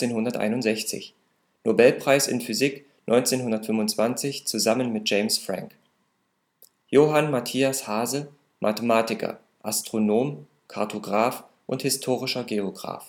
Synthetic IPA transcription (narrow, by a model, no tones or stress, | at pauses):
eːnhʊndɐtʔa̰ɪnʊntz̥ɛçt͡sɪ̰ç | nobɛlpʁ̥aɪsɪ̰nfyzik | nʔɔʏnt͡seːnɦʊndɐtfʏmvʊnt͡sv̥ant͡sɪçt͡suzamənmɪt̚d͡ʒ̥eɪmsfʁ̥a̰ŋk | joːɦanmatʰiːashaːzə | mʔa̰təmaːtɪkʰɐ̰ | ʔastʁ̥onoːm | kʰaɐtʰoɡʁaːf | ʔʊnthɪstʰoːʁɪʃɐɡeoɡʁa̰ːf